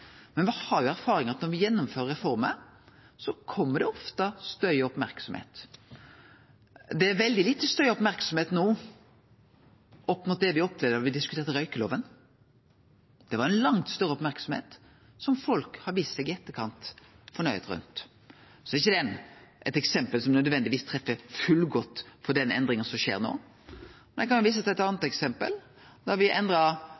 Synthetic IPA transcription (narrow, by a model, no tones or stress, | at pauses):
mɛnʋɪhɑɾjʊæɾfɑːɾɪŋəɑt̪nɔɾʋɪjɛnːɔmføːɾəɾɛfɔɾmə̰ | sɔkʰɔmːəd̪ɛɔft̪əst̪œʏɔpmæɾksɔmhḛːt̪ | d̪ɛæɾʋɛld̪ɪlɪt̪ːst̪œʏɔpmæɾksɔmheːt̪nuː | ʔɔpːmʊːt̪̚d̪ɛʋɪɔpːlɛʋd̪əʋɪd̪ɪskʉt̪eːɾt̪əɾœʏkəloːʋən | d̪̥ɛʋɑɾɛnlɑŋt̪st̪œɾːəɔpmæɾksɔmhḛːt̪ | sɔmfɔlkhɑɾʋiːssɛɡɪɛt̪ːəkʰɑnt̪ | fɔɳœʏət̪ɾʉ̰nt̪ | sɔdɛɾɪçːəd̪ɛnʔɛt̪ɛksɛmpəlsɔmnœd̪ʋɛnd̪ɪʋiːst̪ʰɾɛfːəfʉlɡɔt̪ːfɔɖ̪ɛnɛ̰nd̪ɾɪŋənsɔmʃḛːɾno̰ː | mɛnɛkʰɑnjʊʋiːs̬ət̪ʰɛt̪ɑnət̪ɛksɛmpə̰l | d̪ɔɾʋɪʔɛnd̪ɾɑ